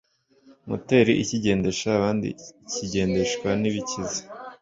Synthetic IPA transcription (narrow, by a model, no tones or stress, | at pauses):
mṵte̞ɾiʔiciɟe̞ːnde̞ʃaːβaːndḭciɟe̞ːnde̞ʃkwaniβicizi̥